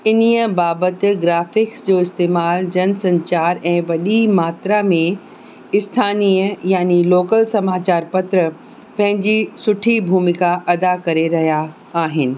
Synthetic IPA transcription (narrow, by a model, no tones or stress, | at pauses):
ɪniəbaːbət̪ɡɾaːfɪksd͡ʑoːɪst̪eːmaːld͡ʑɐnsɐ̃ɲt͡ɕaːɾɛ̃ːʋɐɗimaːt̪ɾamẽ | ɪst̪ʰaːniːəjaːniloːkəlsɐmaːt͡ɕaːɾpɐt̪ɾə | pɐ̃ɦɪ̃ɲd͡ʑisʊʈʰibʱuːmɪkaʔɐd̪akɐɾeɾɐɦijaː | ɦɪnɪ̆